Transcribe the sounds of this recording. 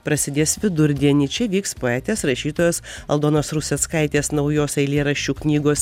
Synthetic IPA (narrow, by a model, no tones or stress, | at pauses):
pɾɐsʲɪd̪ʲeːsʋʲɪd̪ʊɾʲd̪ʲiɛnʲiːt͡ʃʲɛʋʲiːkspoːɛːt̪ʲeːsɾɐʃʲiːt̪oːjoːsɐlˠd̪oːnoːsɾʊsʲeːskɐɪt̪ʲeːsnɒʊjoːsɐɪlʲiɛɾɐʃʲt͡ʃʲuːknʲiːɡoːs